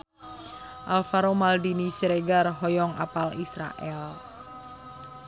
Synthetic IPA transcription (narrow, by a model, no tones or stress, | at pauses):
ʔalfaɾomaldinisiɾeɡarɦɔjɔŋa̰palisɾa̰ʔɛl